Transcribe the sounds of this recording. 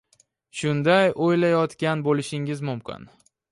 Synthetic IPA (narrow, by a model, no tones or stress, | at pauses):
ʃʊnd̪ajʔojlajɒt̪kʲanbolɪʃɪŋɪzmʊmkʲʰɪ̰n